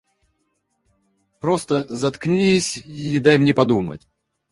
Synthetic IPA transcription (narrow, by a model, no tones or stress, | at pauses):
pɾo̞st̪əzɐt̪knʲiisʲɪd̪ajmnʲɛpɐd̪umə̰t̚ʲ